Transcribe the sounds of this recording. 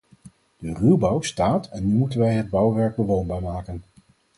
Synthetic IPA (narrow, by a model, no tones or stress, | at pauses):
d̥ərybɑwstaːtɛnːymutənʋɛjɦəd̚bɑwʋɛɹɡ̚bəʋownbaːɹmaːkən